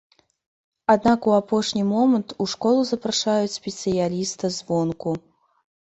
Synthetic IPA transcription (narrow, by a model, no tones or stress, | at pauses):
ad̪̚nakuapɔʂnʲimɔmɐnt̪uʂkɔlˠuzɐpɾaʂajut͡sʲsʲpʲɛt̪sɨjalʲist̪ɨzvɔnku